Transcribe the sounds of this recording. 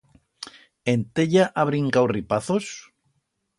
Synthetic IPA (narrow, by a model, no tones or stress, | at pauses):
ent̪eʎaʔaβ̞ɾiŋkawripaθos